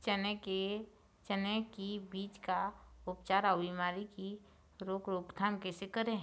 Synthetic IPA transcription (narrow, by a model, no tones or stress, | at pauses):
t͡ʃənɛke | t͡ʃənekibiːt͡ʃkaʊpt͡ʃaːɾabimaːɾiki | ɾoːkɾoːkt̪ʰamkesekəɾẽɦ